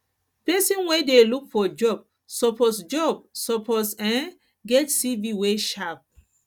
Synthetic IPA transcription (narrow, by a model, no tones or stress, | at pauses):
pɛsĩnwedelukfɔd͡ʒɔb̚ | sɔpɔsd͡ʒɔb̚sɔpɔtsɛ̃n | ɡɛtsiviweʃap̚